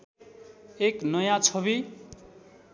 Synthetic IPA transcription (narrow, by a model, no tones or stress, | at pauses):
eknʌjãt͡sʰʌβi